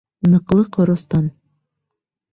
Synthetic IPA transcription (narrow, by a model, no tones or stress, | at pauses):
nɤ̆qlˠɤqʰŏɾŏst̪ɑn